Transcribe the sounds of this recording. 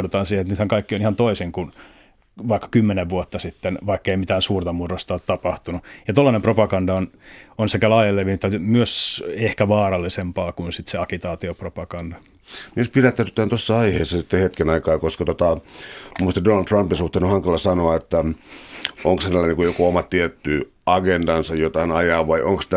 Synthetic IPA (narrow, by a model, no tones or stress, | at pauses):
dut̪ɑːnsiːhenet̪nyt̪hæŋkɑikːionihɑnt̪oisiŋkun | ʋɑikːɑ̥kymːeneʋʋuot̪ːɑsit̪ːenʋɑikːeimit̪æːnsuːrt̪ɑmurost̪ɑoːt̪t̪ɑpɑht̪unujɑt̪olːɑnempropɑkɑndɑononsekælɑːjelːeʋinyt̪ːɑmyøsehkæʋɑːrɑlːisempɑːkunsit̪seɑkit̪ɑːt̪iopropɑkɑndɑ | miespilæt̪ːæt̪yt̪ːæːnt̪osːɑɑiheːsːɑsit̪ːehet̪kenɑikɑːkoskɑt̪ot̪ɑmumust̪ɑdonɑlt̪rɑmpinsuht̪eːnohɑŋkɑlɑsɑnoɑet̪ːæ | oŋksnælːæniːŋkujokoomɑt̪t̪iet̪ːy | ɑɡendɑnsɑjjot̪ɑinɑjɑːʋʋɑiʔoŋkst̪